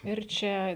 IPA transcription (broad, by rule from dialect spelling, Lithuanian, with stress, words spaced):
ɪr ˈt͡ʃʲɛ